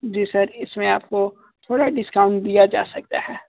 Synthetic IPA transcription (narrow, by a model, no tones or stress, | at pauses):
d͡ʒiːsɐɾɪsmẽaːp̚ko | t̪ʰoːɽaɖɪskaːʊ̃ɳʈɖ̚d̪ijad͡ʒa̰ːsɐk̚t̪a̰ɦɛː